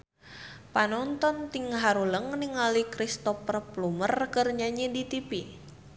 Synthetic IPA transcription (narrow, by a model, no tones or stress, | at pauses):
panɔnt̪ɔnt̪iŋɦaɾuləŋniŋalikɾist̪ɔpərplumərkərɲaɲidit̪ipi